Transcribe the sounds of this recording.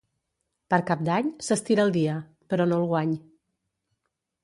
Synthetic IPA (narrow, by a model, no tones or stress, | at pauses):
pəɾkap̚d̪aɲsəst̪iɾəlˠd̪iə | pəɾɔnolˠɣwaɲ